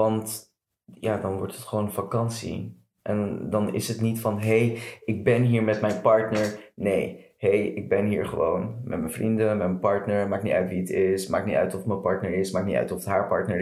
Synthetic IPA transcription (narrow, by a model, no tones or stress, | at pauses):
ʋɑnt | jaːdɑnʋɔ̰ɹtətχəʋownəfakɑnsḭ | ʔɛ̰ndɑnɪ̰sɦətnitfɑnɦejʔɪɡ̚bɛnɦiːɹmɛtmɛjnpɑɹtnəɹnej | hejɪɡ̚bɛnɦiːɹχəʋownmʔɛ̰tmənfrindəmɛtmənpɑɹtnəɹmaːkniʔœɥtʋiətɪsma̰ːknitœ̰ɥtɔfətməpɑɹtnəɹɪsmaːk̚nitœ̰ɥtɔfətɦaːɹpɑ̰ɹtnəɹ